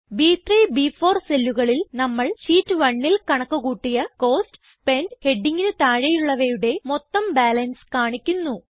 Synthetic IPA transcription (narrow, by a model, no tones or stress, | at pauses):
biːt̪riːbiːfo̞ːrselːuɣɐɭilnɐmːɐɭɕiːtːɨʋɐɳːilkɐɳɐkːuɣuːʈːijɐko̞ːst | pe̞nɖhe̞ɖːiŋɡinɨt̪aːɻɐjuɭːɐʋejuɽe̞mo̞t̪ːɐmbaːlɐnskaːɳikʲːunːu